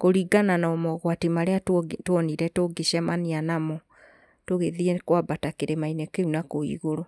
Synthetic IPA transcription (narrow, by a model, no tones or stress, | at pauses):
koɾiɡananaɔmɔɣwatimaɾeatwoniɾɛtoɡeʃɛmanianamɔ | toɣeðiekwabatakeɾemainɛkeunakoḭɣoɾo